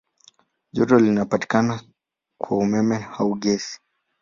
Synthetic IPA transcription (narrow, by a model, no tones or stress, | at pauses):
ʄɔtɔlinapati̥kana | kwaumɛmɛhauɠɛsi̥